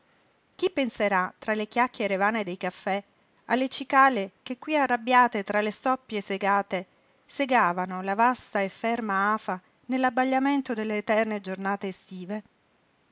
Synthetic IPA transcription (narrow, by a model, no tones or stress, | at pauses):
k̟ipːenseɾat̪ɾalekjakːjeɾevaːned̪ejkafːɛ | alːet͡ʃikaːlekekːwiarːabːjaːt̪et̪ɾalest̪ɔpːjeseɡaːt̪e | seɡaːvanolavast̪aefːɛrmaaːfa | nelːabːaʎːament̪od̪elːeːt̪ɛrned͡ʒornaːt̪eːst̪iːve